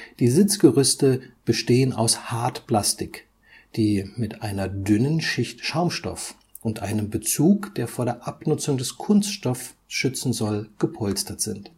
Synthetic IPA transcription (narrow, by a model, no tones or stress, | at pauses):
d̥iːzɪt͡sɡ̥əʁʏstəb̥əʃteːəna̰ʊshaɐtpl̥astɪk | d̥iːmɪtʔaɪnɐdʏnənʃɪçtʃaʊmʃtɔ̰f | ʔʊntʔaɪnəmbət͡suːkd̥eːɐfoːɐdeːɐʔapnʊt͡sʊŋdɛskʰʊnstʃtɔf | sʃʏt͡sn̩zɔlɡ̥əpʰɔlstɐtz̥ɪnt